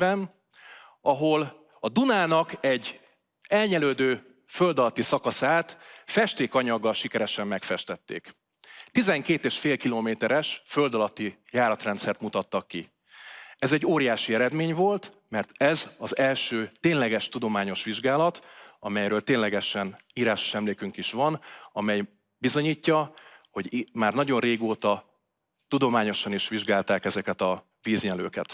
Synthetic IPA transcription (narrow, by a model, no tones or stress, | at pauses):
ɛn | ɒɦo̞l | ɒd̪unaːnɒkɛɟː | ɛlɲɛløːd̪øː | fø̞ld̪ɒlɒt̪ːisɒkɒsaːt̪fɛʃt̪eːkɒɲɒɡːɒlʃikɛɾɛʃɛmːɛkfɛʃt̪ɛt̪ːḛːk | t̪izɛŋkeːt̪eːʃfeːlkiloːmeːt̪ɛɾɛʃfø̞ld̪ɒlɒt̪ːijaːɾɒt̪rɛnt̪sɛrt̪mut̪ɒt̪ːɒkːi | ɛzɛɟːoːɾijaːʃiɛɾɛd̪meːɲvo̞lt̪mɛrt̪ɛzɒzɛlʃøːt̪eːnlɛɡɛʃt̪ud̪o̞maːɲo̞ʃʋiʒɡaːlɒt̪ɒmɛjɾøːlt̪eːnlɛɡɛʃɛniːɾaːʃo̥ʃɛmleːkyŋkiʃʋɒnɒmɛj | bizo̞ɲiːcːɒho̞ɟmaːrnɒɟo̞nreːɡoːt̪ɒ | t̪ud̪o̞maːɲo̞ʃɒniʃʋiʒɡaːlt̪aːkɛzɛkɛt̪ɒ | viːzɲɛlø̰ːkɛ̰t̪